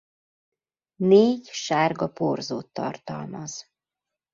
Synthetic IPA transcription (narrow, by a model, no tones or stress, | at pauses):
neːɟʃaːrɡɒporzoːt̪ːɒ̰rt̪ɒ̰lmɒz̥